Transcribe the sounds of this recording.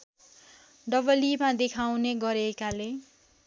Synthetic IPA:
ɖʌbʌlimãd̪ekʰawneɡʌɾekale

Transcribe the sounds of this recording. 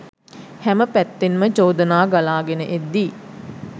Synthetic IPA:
hæməpæt̪ːenməd͡ʒoːd̪ənaːɡalaːɡenəʔed̪ːiː

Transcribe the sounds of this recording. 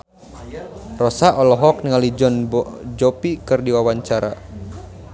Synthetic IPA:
rɔsaʔɔlɔɦɔk̚niŋalid͡ʒɔnbɔd͡ʒɔpikɨrdiwawaɲt͡ʃaɾa̰

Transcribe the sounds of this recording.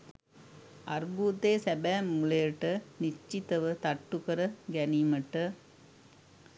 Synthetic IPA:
ɐɾbuːt̪eːsɛbæːmːuɭɐjɐʈːɐnit͡ʃːit̪ɐʋɯt̪ɐʈːukɐɾɐɡɛniːmɐʈːɐ

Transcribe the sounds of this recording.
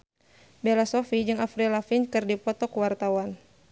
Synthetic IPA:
bɛlasɔfid͡ʒɨŋafɾilafinkɨrdipɔt̪ɔkuwart̪awan

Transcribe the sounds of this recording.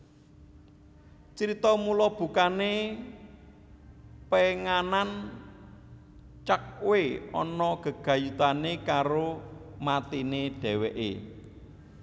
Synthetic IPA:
t͡ʃəɾit̪ɔmulɔb̥ṳkane | peŋanan | t͡ʃak̚weɔ̰nɔɡ̥ə̤ɡ̥ä̤jut̪anekaɾomat̪ineɖ̥ɛ̤wɛʔḛ

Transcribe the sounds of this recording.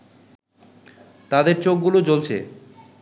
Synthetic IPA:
t̪ad̪eɾt͡ɕok̚ɡulod͡ʑolt͡ɕʰḛ

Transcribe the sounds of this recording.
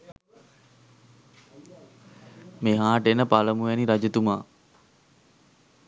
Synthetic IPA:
meɦaːʈenəpaləmuʋɛniɾad͡ʒət̪umaː

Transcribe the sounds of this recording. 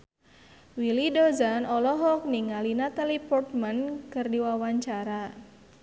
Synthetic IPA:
wilidɔzanɔlɔɦɔk̚niŋalinat̪alipɔrt̪̚mankɨrdiwawaɲt͡ʃaɾa

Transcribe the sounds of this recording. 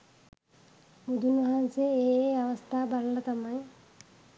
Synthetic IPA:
mud̪ʱunʋɐɦanseeːeaʋɐst̪ʰaːbɐɾɐlɐt̪ama

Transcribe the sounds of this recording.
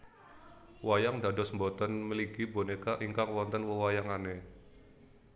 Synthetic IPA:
wajaŋdadɔsmbɔt̪ənməliɡibonekaʔiŋkaŋwɔnt̪ənwəwajaŋane

